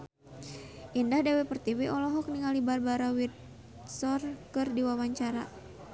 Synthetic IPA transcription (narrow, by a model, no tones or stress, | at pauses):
ʔindahdewɛpərt̪iwiʔɔlɔɦɔk̚niŋalibarbaɾawit̪̚ | sɔrkɨrdiwawaɲt͡ʃaɾa